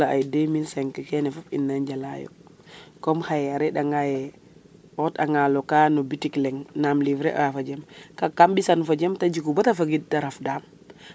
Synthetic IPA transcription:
aa̰jdeminsɛŋkɛkɛnɛfopḭnːaɲɟala̰jo̰ | kɔmhajaɾɛɗaŋajɛ | ɔta̰ŋalɔkaːnobitiklɛŋnamlivɾɛ̰ʔafad͡ʒɛmkakambisanfad͡ʒemtad͡ʒikubatafaɡid̚taɾafdaːm

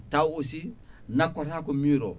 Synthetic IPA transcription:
tawosi | nakotakomiɾo

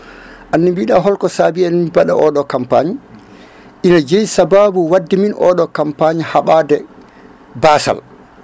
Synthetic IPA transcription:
ʔanːibiɗaɦɔlkɔsaːbianmibaɗa̰ʔɔɗɔkampaɲi | ʔinad͡ʒejsababuwadːiminʔɔ̰ɗɔkampaɲihaɓaːdɛ | baːsa̰l

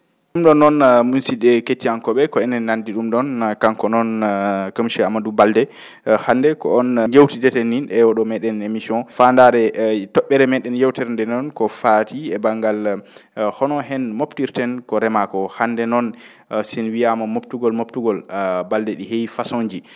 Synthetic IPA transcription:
ɗumɗɔnːɔnmunsidɛketːiankɔɓɛkɔɛnɛnːandiɗumɗɔnkaŋkɔnɔnkəmʃɛamadubaldɛ | handɛkɔ̰ɔnjewtidɛtɛnːinɛwɔɗɔmɛɗɛnemisiɔ̃nfandaɾɛtɔɓːɛɾɛmɛɗɛnjewtɛɾndɛnɔnkɔfatiɛbaŋɡal | hɔnɔɦɛnmoptiɾtɛnkɔɾɛmakɔhandɛnɔn | sinwijamamoptuɡɔlmoptuɡɔlbaldɛɗihejfasoɲd͡ʒi

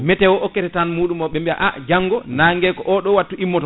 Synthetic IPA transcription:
mɛtɛwɔʔɔkːɛtɛtanmuːɗumɔɓɛmbia̰ʔad͡ʒaŋɡɔnaːŋɡɛkɔʔɔɗɔwatːuʔimːɔtɔ

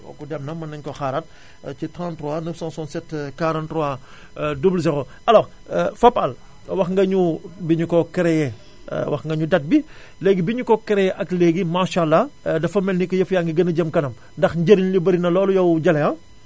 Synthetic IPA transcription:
ɔ̰kːɔdɛmnɐmːɐnːɐŋkɔxaɾɐt̚ | citɾãntɾɔanəfsãnsɔnsɛtkaɾantɾɔa | dubulzɛɾo | ɐlɔː | fɐpɐl | wɐxŋɡɐɲubiɲukɔkɛɾɛjɛ̰ | wɐxŋɡɐɲudɐt̚bi | leːɡibiɲukɔkɛɾɛjɛʔɐkleːɡimaʃalːɐdɐfɐmɛlnikɔjɐfjaːŋɡiɡɐnɐɟɐmkɐnɐm | ndɐxɲɟəɾinlibɐɾinɐlɔːlujɐwɟɐlɛɐ̃

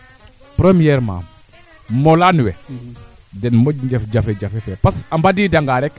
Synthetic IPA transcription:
pɾemijɛɾma̰m | molanuwɛ | dɛnmoɲd͡ʒefd͡ʒafed͡ʒafefepasambadiːdaŋɡaɾɛk

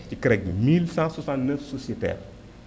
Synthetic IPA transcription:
cikɾɛk̚dḭmilsãswɔsãntnəfsɔsjɛtɛ̰ːr

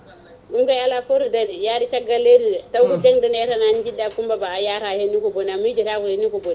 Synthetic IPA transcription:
uŋɡajalafoɾidanijaɾit͡ʃaɡaleɾitawkud͡ʒeŋdaneɾanand͡ʒidakumbabajaɾahenːikobonamid͡ʒiɾakuhenikobon

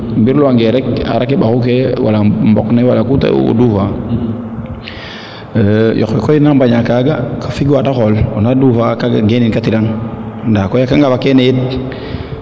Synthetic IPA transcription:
mbiɾloaŋɡeɾɛka̰ɾakeɓaxuk̬ewa̰lambɔ̰knewalakuta̰o̰dufa | jɔ̰xwɛkojinambaɲakaɡakʰḁfiɡwataxolonadufakaɡa̰ɡeninkatiɾaŋndakojakaŋɡabakenejet̚

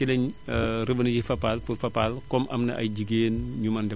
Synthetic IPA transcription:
kilɛɲrəbɐnid͡ʒifɐpːalfurfɐpalkɔmʔɐ̰mnɐ̰ʔɐ̰jɟiɡeːnɲumɐndɛ

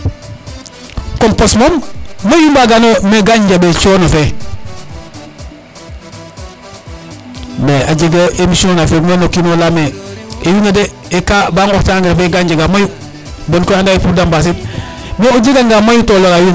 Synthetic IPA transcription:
komposmommejumbaɡanomeɡaɲd͡ʒabet͡ʃonafe | meaɟeɡoʔemisononafemenokinolameejunade | ekabaŋotaŋɡeɾefeɡaɲɟaɡamaju | bonkoandaepuɾdambas̬it̚ | meoɟiɡaŋɡamajutoloɾajun

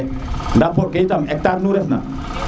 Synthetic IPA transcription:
ndapɔɾkejtamɛk̚taɾnuɾɛsna̰

